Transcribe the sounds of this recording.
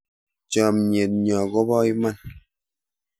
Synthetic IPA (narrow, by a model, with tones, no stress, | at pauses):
t͡ʃɔ˨mɲe˨t̚ɲɔ˨ɡɔ˦bɔ˦i˦ma˦˨n